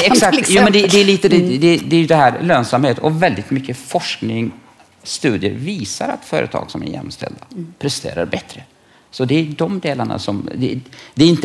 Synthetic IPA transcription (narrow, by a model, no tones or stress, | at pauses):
ɛksak̪̚juːmɛnd̪ɛd̪ɛːɭiːt̪əd̪ɛd̪ɛd̪ɛjɵd̪ɛɦæːɾløːnsamheːt̪ɔvɛld̪ɪt̪mʏkːəfɔʂknɪŋ | st̪ʉ̟ːd̪ɪə̰ɾviːsa̰ɾa̰t̪fœ̰ːɾʔə̰t̪ʰɑ̰ːɡ̥sɔmæ̰ɾjɛ̰mːst̪ʰɛ̰ld̪apʰɾɛst̪ḛːɾa̰ɾbɛt̪ɾə | sɔd̪ɛjd̪ɔmd̪eːlaɳa̰sɔmd̪ɛd̪ɛɾɪnt̪